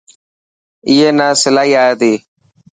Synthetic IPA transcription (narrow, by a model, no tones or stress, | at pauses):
iːɦeːnãːsɪlaːɦiːaːeːt̪eː